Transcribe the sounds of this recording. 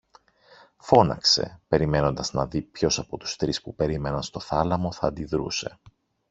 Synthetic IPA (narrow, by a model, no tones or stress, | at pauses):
fo̞nɐ̰kse̞̰pe̞ɾime̞no̞nd̪ɐznɐðipço̞sɐpo̞t̪u̥st̪ɾispupe̞ɾime̞nɐnst̪o̞θɐlɐmo̞θɐːnd̪iðɾṵse̞̰